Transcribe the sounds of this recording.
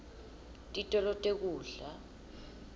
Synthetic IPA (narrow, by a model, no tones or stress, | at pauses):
tʼitʼɔlɔtʼek̬uːɮa